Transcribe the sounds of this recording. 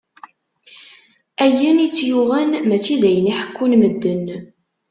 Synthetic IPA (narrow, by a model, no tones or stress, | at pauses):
æjənit͡sːjuʁænmæt͡ʃːiðæjəniħə̥kːunməd̪ːən